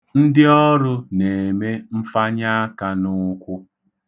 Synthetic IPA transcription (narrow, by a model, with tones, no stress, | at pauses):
n̩˦dɪ˦ɔ˦ɾʊ˦ne˨me˦m̩˦fa˦ɲa˦a˦ka˦nʊ˦kʷʊ˦